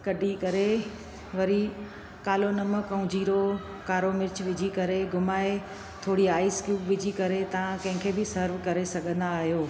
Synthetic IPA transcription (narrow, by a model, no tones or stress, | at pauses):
kɐɖʱikɐɾe | ʋɐɾi | kaːlonɐməkɐʊ̃d͡ʑiːɾo | kaːɾomɪɾt͡ɕʋɪd͡ʑʱikɐɾeɡʱʊmaːe | t̪ʰoːɽiaːiskjuːpʋɪd͡ʑʱikɐɾet̪ɐʋ̤ãkɐ̃ɦɪ̃kʰeːbɪsɐɾʋkɐɾesɐɠʱə̃nd̪aːɦijoː